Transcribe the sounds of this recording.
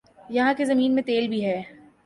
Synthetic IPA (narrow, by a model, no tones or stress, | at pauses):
jɐɦãkezɐmiːnmẽt̪eːlbʱiɦɛː